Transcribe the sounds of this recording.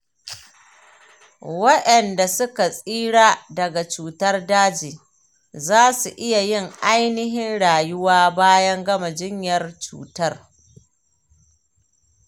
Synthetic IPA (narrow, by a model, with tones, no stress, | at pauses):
wɐ˦ɗɐ˨nda˨sʊ˦ka˨sʼiː˦ɽaː˦dɐ˨ɡa˨t͡ʃuː˨tɐ˦rdaː˦d͡ʒiː˨ | zaː˦su˨ʔɪ˦ja˨jɪ˦ŋʔa˦jnɪ˦ɦɪ˦nɽaː˨jʊ˦waː˦baː˦jɐ˦ŋɡɐ˦ma˨d͡ʒɪ˦ɲjɐ˨rt͡ʃṵː˨tɐ˦r